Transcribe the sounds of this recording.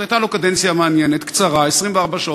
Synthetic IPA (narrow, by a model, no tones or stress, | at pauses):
ajt̪alokad̪ent͡sjameanjenet̪kt͡saʁaesʁimveaʁbaʃa